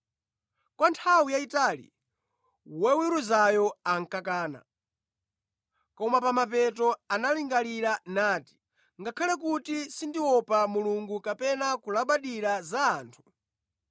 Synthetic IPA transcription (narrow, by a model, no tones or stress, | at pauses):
kwantʰawijaitalḭ | wɛwiɾuzajɔaŋ̩kakaːna̰ | kɔmapamapɛtɔanaliŋɡaliɾanaːti̥ | ŋɡakʰalɛkutisindiwɔpamuluŋɡukapɛnakulaɓaɗiɾazaːntʰu̥